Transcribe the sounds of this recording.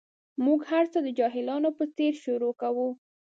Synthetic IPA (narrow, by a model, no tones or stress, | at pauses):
muɡhaɾt͡səd̪əd͡ʒɑɦɪlɑnopət͡seɾʃuɾokawu